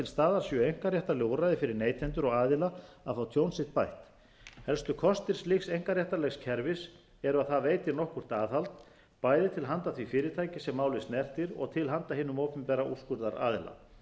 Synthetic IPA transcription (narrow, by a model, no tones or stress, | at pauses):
ɪlst̪aːðaɾ̥sjœejŋ̥kaɾrjaht̪alɛɣuɾajðɪfɪɾɪɾneːjt̪ʰɛnt̪ʏɾɔɣaːðɪlaaðfawt̪ʰjoːwnsɪht̪̚pajht̪ | hɛlst̪ʏkʰɔst̪ɪɾ̥slɪxsejŋ̥kaɾrjaht̪alɛɣscʰɛɾvɪs | ɛɾʏaðθaveːjt̪ɪnɔhkʏr̥t̪aːðhalt̪ | paːjðɪt̪ʰɪlɦant̪aθvifɪːɾɪt̪ʰaːjcɪsɛmːaːwlɪst̪nɛr̥t̪ɪɾɔ̰ɣt̪ʰɪlɦant̪ahɦɪːnʏmɔːwpʏmpɛɾaʔuskʏɾðaɾa̰ːðɪla̰